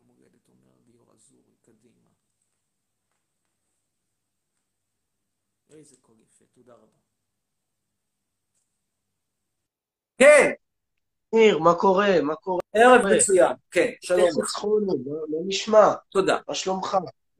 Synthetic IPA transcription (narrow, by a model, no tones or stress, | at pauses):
moɡed̪et̪omḛʁboa̰zuʁkad̪ima | ezekoɡifet̪od̪aʁaba | ken | iʁmako̞ʁemakoʁeʔeʁevnet͡sujakenʃalomit͡sχoniloloniʃmat̪od̪a̰maʃlomχa